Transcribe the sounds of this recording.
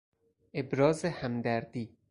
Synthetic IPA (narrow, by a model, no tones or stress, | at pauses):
ebɾɒːzehæmd̪æɾd̪iː